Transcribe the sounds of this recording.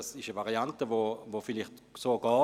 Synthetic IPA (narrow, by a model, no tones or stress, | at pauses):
sɪʃəvaʁiantəvoːvoːfɪlɪχtsoːɡ̥ɔː